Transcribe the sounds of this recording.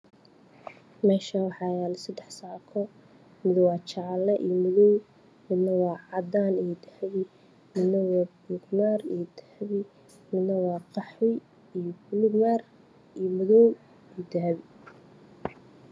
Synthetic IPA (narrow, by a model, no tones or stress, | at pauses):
mɛːʃawɑħɑːjaːlɪsɐd̪ɛħsaːʕkʰɔ | mɪðɔwɑːt͡ʃɑʕlɛʔḭjɔmʊðɔw | mɪd̪nɐwɑːʕɑd̪aːnijɔd̪ɐhβɪ | mɪd̪nɐwɑːbʊɡmaːrijɔd̪ʰɐ̥hβɪ | mɪd̪nɐwɑːqɑħɪ | ijɔbʊlʊɡmaːr | ijɔmʊðɔw | ijd̪ɐɦβɪ